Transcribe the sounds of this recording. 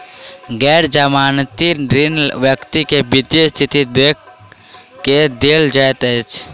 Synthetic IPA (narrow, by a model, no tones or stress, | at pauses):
ɡɛːɾd͡ʒəmaːnt̪iɖɾɪnʋjəkt̪ikebɪd̪jəst̪ʰɪt̪id̪ek | ked̪eːld͡ʒət̪et͡ʃ